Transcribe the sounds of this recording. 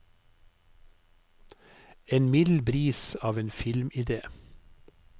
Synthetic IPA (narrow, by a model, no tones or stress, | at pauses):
eːnmɪd̪l̩bɾiːsɑːʋeːnfɪlmɪd̪eː